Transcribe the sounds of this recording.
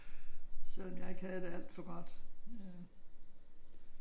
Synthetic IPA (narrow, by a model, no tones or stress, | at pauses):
sel̰ɒ̽mjɑ̈ɪe̝ɡ̥hæð̩ˠd̥eæl̰d̥fɒ̽ɡ̥ɒ̽d̥